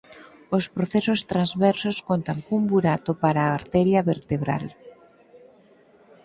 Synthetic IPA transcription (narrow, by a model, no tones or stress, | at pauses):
ospɾoθesost̪ɾanzβeɾsoskont̪aŋkumbuɾat̪opaɾaːɾt̪eɾjaβeɾt̪eβɾa̰l